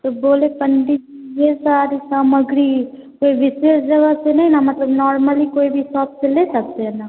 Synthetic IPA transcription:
t̪oboːlepɐɳɖiijesaːɾisaːməɡɾi | koːiʋɪseːsd͡ʒɐɡasenɐɦĩnamɐt̪ləbnɔːɾməlikoːibʱisaːpseleːsɐk̚t̪eɦɛna

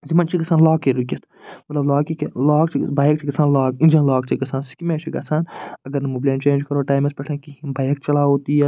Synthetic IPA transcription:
zimɐnt͡ʃikɐsaːnlaːkiɾukʲɐt̪ʰ | mɐt̪lɐblaːkiklaːkt͡ʃʰibaːjk̚t͡ʃʰiɡɐsaːnlaːkĩnd͡ʒɐnlaːk̚t͡ʃʰiɡɐsaːnsi̥kimeːt͡ʃʰiɡɐsaːnɐɡɐɾnɐmublant͡ʃẽːnd͡ʒkɐɾoːʈaːjmɐspɐʈʰɐ̃ːkibaːjk̚t͡ʃɐlaːoːt̪iːɐ

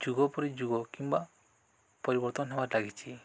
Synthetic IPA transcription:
d͡ʒuɡɔpɔɾid͡ʒuɡɔkimba | pɔɾibɔɾt̪ɔnɔɦebaɾlaɡit͡ʃʰi

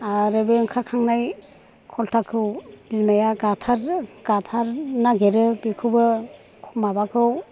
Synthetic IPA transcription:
aɾɯbɯŋkʰaɾkʰaŋnaj | kʰɔltʰakʰɯwbilmajaɡatʰaɾɡ̥atʰaɾnaɡeɾɯbikʰɯbɯ | kʰumabakʰɯw

